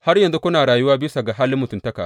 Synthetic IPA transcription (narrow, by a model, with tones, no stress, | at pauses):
ha˦rjɐ˨nzu˦kʷʊ˦naː˨ɽaː˨jʊ˦waː˦bɪ˦sa˨ɡa˨ɦaː˦lɪ˦mːʊ˨tʊ˨ntɐ˦kaː˨